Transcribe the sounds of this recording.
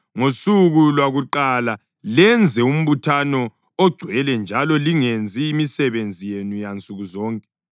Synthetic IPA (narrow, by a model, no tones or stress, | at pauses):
ŋosuɣulwaɣuǃala | lɛnd͡zʱɛum̩βutʰanɔː | ɡ͡ǀʱwɛlɛnd͡ʒʱalɔliŋend͡zʱiːmisɛβend͡zʱijenujant͡sʼuɣuzɔːŋkʼɛ̥